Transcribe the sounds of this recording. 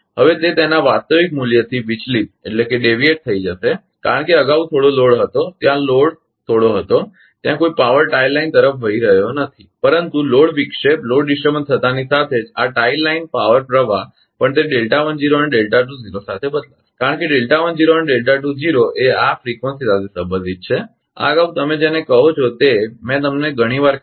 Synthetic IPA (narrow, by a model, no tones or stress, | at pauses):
ɦəʋet̪et̪enaʋast̪əʋikmuljət̪ʰiʋit͡ʃlip̚ḛʈlekeɖeʋieʈ̚t̪ʰəid͡ʒəʃe | ka̰ɾəɳkeəɡaʋut̪ʰoɽoloɽɦət̪ot̪jãloɽ | t̪ʰoɽoɦət̪o | t̪jãkoipaʋəɾʈailaint̪əɾəfʋəiɾəɦjonət̪ʰipəɾənt̪uloɽʋikʂeploɽɖisʈəbənt̪ʰət̪anisat̪ʰed͡ʒaʈailːainpaʋəɾpɾəʋa | pəɳt̪eɖelʈaʋənd͡ʒiɾoəneɖelʈaʈud͡ʒiɾosat̪ʰebəd̪lakaɾəɳkeɖelʈaʋənd͡ʒiɾoəneɖelʈaʈ̬ud͡ʒiɾoʔeafɾikʋənsisad̪isəbəd̪ʱit̪̚t͡ʃʰe | a̰ɡaʋut̪əmed͡ʒenekəɦot͡ʃʰot̪emɛ̃t̪əmneɡʱəɽ̃iʋaɾ